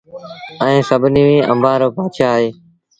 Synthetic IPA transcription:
ə̃ːsəbʱniːʋĩːʔə̰̃mbaːɾoːpaːt͡ʃʰaːɦeː

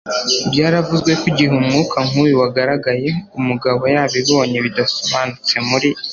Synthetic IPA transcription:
bɟaːɾavuzɡwe̞kuɟiɦumŋuːkʰaŋ̥uːjuwaɡaɾaɡaje̞umuɡaβo̞jaːβiβoːɲeβidasoβaːnut͡se̞muɾi

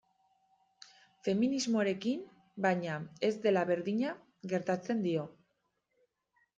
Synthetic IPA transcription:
fe̞minizmo̞aɾe̞kim | bajɲae̞zd̪e̞laβe̞ɾðiɲa | ɣe̞ɾt̪at͡se̞nd̪io̞

